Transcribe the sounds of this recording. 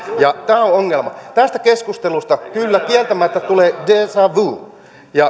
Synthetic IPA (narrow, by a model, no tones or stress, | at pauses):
jɑt̪æːooŋːelmɑt̪æst̪ækeskust̪elust̪ɑkylːækiælt̪æmæt̪ːæt̪uleːdeːsɑʋuː | jɑ